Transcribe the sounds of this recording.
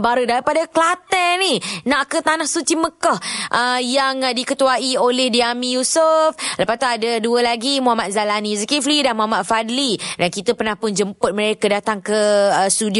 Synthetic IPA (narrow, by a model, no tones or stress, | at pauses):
baɾədaɾipadaklat̪əninãʔkət̪anahsut͡ʃiməkɔhʔəjaŋdikət̪uaiolɛhdiamĩjusufləpast̪uadəduəlaɡimuɦamat̪̚zalanizəkiflidanmuɦamat̪̚fad̪lidankit̪əpərnahpʊnd͡ʒəmpʊt̪̚mə̃ɾekədat̪aŋkəəst̪udi